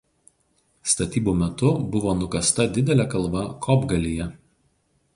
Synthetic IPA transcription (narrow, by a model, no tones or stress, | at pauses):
st̪ɐt̪ʲiːbumʲɛt̪ʊbʊʋoːnʊkɐst̪ɐd̪ʲɪd̪ʲɛlʲɛkɐlˠbɐkʰɔbɡɐlʲijɛ